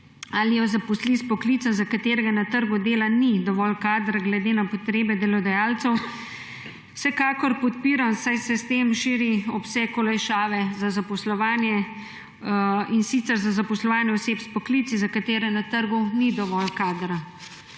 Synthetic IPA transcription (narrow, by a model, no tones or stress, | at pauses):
alijɔzapɔslispɔkliːt̪sazakat̪eːɾɛɡanat̪əɾɡud̪eːlanid̪ɔʋɔlkaːd̪ɾaɡlɛd̪eːnapɔt̪ɾeːbɛd̪ɛlɔd̪ajaːlt̪sɛw | sɛkaːkɔɾpɔt̪̚piːɾansajsɛst̪emʃiːɾiɔpsɛkɔlajʃaːʋɛzazapɔslɔʋaːnjɛ | insit̪sɛɾzazapɔslɔʋaːnjɛɔseːpspɔklit̪sizakat̪eːɾɛnat̪əɾɡunid̪ɔʋɔlkaːd̪ɾa